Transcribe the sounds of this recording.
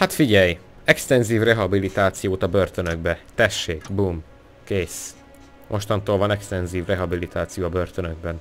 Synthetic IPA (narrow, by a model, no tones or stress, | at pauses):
hat̪fiɟɛj | ɛkst̪ɛnziːvrɛɦɒbilit̪aːt̪sijoːt̪ɒbørt̪ønøɡ̚bɛt̪ɛʃːeːɡbum | keːs | mʔo̞ʃt̪ɒnt̪oːlvɒnɛkst̪ɛnziːvrɛɦɒbilit̪aːt̪sijoːɒbørt̪ønøɡ̚bɛn